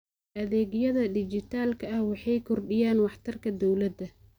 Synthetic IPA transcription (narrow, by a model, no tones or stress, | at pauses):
ʔɐðɛːɣjɐðɐd̪ɪt͡ʃɪt̪ʰaːlkʰɐɐhwɑħɑjkʰɔrɖɪjaːnwɑħt̪ʰɐrkʰɐd̪ɔwlɐd̪ɐ